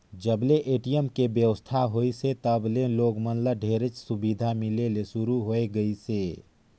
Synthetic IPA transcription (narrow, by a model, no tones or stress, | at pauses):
d͡ʒəbleʔeːʈijəmkebjəwəst̪ʰaɦoiset̪əbleloːɡmənləɖʱeːɾət͡ʃsʊbid̪ʱamɪlelesʊɾuɦoeɡəiseː